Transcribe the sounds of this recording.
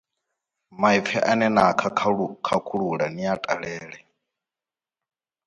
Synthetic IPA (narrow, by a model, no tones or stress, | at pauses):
maipfʰɛʔanɛnakʰakʰakʰuɺuɺaniatʼaɺɛːɺɛ